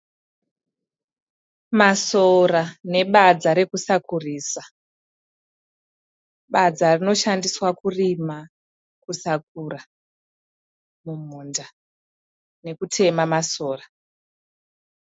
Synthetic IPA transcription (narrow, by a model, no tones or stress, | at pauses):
masorane̞ɓad͡zaɾe̞kusakuriːsa | ɓad͡zarino̞ʃandiswakurima | kusak̚ura | mum̤uːnda | ne̞kutʰe̞mamaso̞ːra